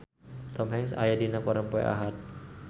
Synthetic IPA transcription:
t̪ɔmɦɛŋsa̰jadinakɔɾəmpɔɛ̰ʔa̰ɦat̪̚

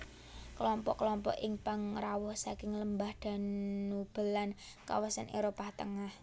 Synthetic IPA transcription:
klɔmpɔʔkəlɔmpɔ̰ʔɪŋpaŋrawʊhsakɪŋləmbahd̪̥a̤nnub̥ə̤lan | ka̰wasanʔeɾopaht̪əŋah

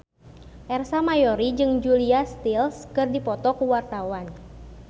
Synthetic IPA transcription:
ʔɛrsamajɔɾid͡ʒɨŋd͡ʒuliast̪ilskɨrdipɔt̪ɔkuwart̪awan

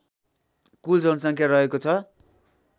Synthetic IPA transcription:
kuld͡zʌnsʌŋkʰjaɾʌɦekot͡sʰʌ

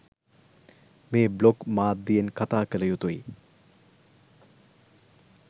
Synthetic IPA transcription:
meːblokmaːd̪ijenkat̪aːkəlɐjut̪oj

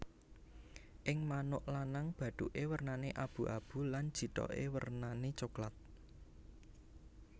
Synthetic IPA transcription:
ʔɪŋmanʊʔlanaŋb̥ä̤ɖ̪̥uʔewərnaneʔab̥ṳʔa̰b̥ṳlan̥d͡ʒ̥i̤t̪ɔ̰ʔḛwə̰rnanet͡ʃoklat̪̚

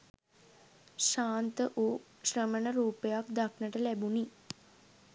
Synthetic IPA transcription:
ʃaːnt̪əʔoː | ʃɾəmənəɾuːpəjakd̪akʰnəʈəlæbuni

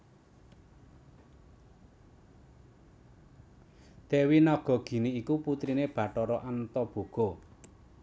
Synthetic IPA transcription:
d̪̥ewinɔɡ̥ɔ̤ɡ̥i̤niːkuput̪ɾineb̥ä̤ʈɔɾɔʔant̪ɔb̥o̤ɡ̥o

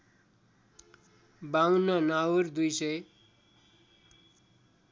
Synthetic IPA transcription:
bawnʌnawrd̪ujsʌj

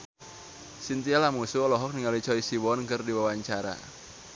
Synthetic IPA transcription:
sint̪ialamusuɔlɔɦɔk̚niŋalit͡ʃɔisiwɔnkɨrdiwawaɲt͡ʃaɾa̰

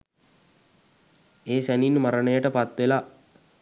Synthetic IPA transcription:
eːsæninmaɾənəjəʈəpat̪ʋela

